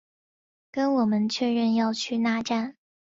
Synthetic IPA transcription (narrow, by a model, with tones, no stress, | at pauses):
kə˥nwɔ˨˩mə˦nt͡ɕʰɥɛ˥˧ɻə˥˧njɑ˥˧ʊt͡ɕʰy˥˧na˥˧ʈ͡ʂa˥˩n